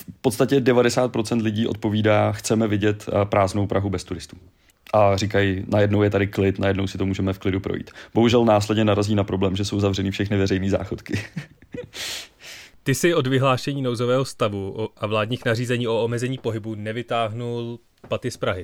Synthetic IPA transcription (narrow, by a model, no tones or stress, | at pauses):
fpot̪st̪acɛdɛvadɛsaːt̪̚pɾo̞t͡sɛnt̪lɪɟiːʔo̞t̪̚po̞viːdaːxt͡sɛmɛvɪɟɛt̪pɾaːznowpɾaɦubɛst̪uɾɪst̪ṵː | ʔarikajnajɛdnowjɛt̪adɪklɪt̪najɛdno̞wsɪt̪o̞muːʒɛmɛfklɪdupɾojḭːt̪b̥o̞ɦuʒɛlnaːslɛdɲɛnaɾaziːnapɾo̞blɛːmʒɛso̞wzavrɛnɪfʃɛxnɪvɛɾɛjniːza̰ːxot̪kɪ | t̪ɪsɪo̞dvɪɦlaːʃɛɲiːnowzo̞vɛːɦo̞st̪avuoʔavlaːdɲiːxnariːzɛɲiːʔo̞omɛzɛɲiːpo̞ɦɪbunɛvɪt̪aːɦnul | pat̪ɪspɾaɦɪ